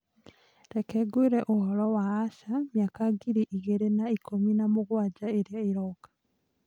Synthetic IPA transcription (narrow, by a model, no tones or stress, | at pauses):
ɾekeɡuiɾeʔuhɔlɔwaːʃamjakaɡiɾiʔiɣeɾenaikʰominamuɣwad͡ʒaeɾjaiɾokḁ